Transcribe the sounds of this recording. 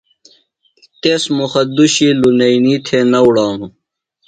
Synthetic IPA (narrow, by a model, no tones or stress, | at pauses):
t̪eːsmuxɐd̪uɕiːlunɐiniːt̪ʰenɐwɽaːnũ